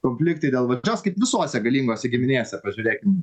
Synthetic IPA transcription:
koːmʲfʲlʲɪkt̪ɐɪd̪ʲeːlˠʋɐd͡ʒʲoːskɐɪpʋʲɪsoːsʲɛɡɐlʲiːŋɡoːsʲɛɡʲɪmʲɪnʲeːsʲɛpɐʒʲʊːɾʲeːkʲɪm

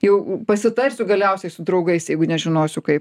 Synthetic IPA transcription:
jɛʊpɐsʲɪt̪ɐrʲsʲʊɡɐlʲɛʊsʲɛɪsʊd̪ɾɐʊɡɐɪsjɛɪɡʊnʲɛʒʲɪnoːsʲʊkɐɪp

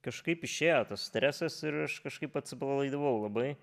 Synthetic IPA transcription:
kɐʃkɐɪpɪʃʲeːjoːt̪ɐssʲt̪ʲɾʲæːsʲɛsɪɾɐʃkɐʃkɐɪpɐt̪ʲsʲɪplˠɐlˠɐɪd̪ɐʋɐʊlˠɐbɐɪ

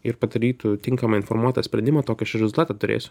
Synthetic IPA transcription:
ɪɾpɐd̪ɐɾʲiːt̪ʊt̪ʲɪŋkɐmɐɪnfoɾmuɔt̪ɐsʲpʲɾʲɛnd̪ʲɪmɐːt̪oːkʲɛʃʲɛɾʲɛzʊlˠt̪ɑːt̪ɑt̪ʊɾʲḛːsʲʊ̥

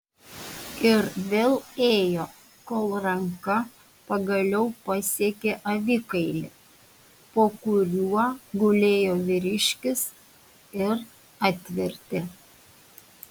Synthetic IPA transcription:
ɪɾʋʲeːlˠeːjoː | koːlˠɾɐŋkɐ | pɐɡɐlʲɛʊpɐsʲiɛkʲeʔɐʋʲɪkɐɪlʲɪ̰ | poːkʊɾʲuɔɡʊlʲeːjoːʋʲɪɾʲɪʃʲkʲɪs | ɪɾ | ɑːt̪ʲʋʲɪɾʲt̪ʲe

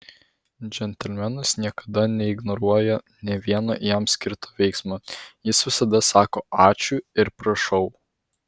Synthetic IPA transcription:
d͡ʒʲɛnʲt̪ʲɛlʲmʲɛnɐsnʲiɛkɐd̪ɐnʲɛɪɡnɔɾuɔjɛ | nʲɛʋʲiɛnojɛmsʲkʲɪɾt̪oːʋʲɛɪksmojɪsʋʲɪsɐd̪ɐsɑːkoːʔɑːt͡ʃʲʊɪɾpɾɐʃɒʊ

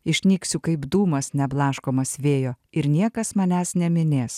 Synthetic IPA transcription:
ɪʃʲnʲiːksʲʊkɐɪbd̪uːmɐsnʲɛblˠɑːʃkoːmɐsʋʲeːjoːɪɾnʲiɛkɐsmɑnʲæːsnʲɛmʲɪnʲeːs

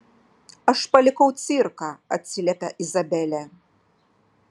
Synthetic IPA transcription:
ɐʂpɐlʲikɔwt̪sirkɐɐt̪ʲsʲilʲɛt̪ɐʔizabɛlʲɛ

